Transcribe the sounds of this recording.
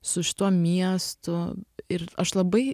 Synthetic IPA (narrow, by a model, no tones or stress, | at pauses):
sʊʃʲɪ̥t̪uɔmʲiɛst̪ʊɪɾɐʃlˠɐbɐɪ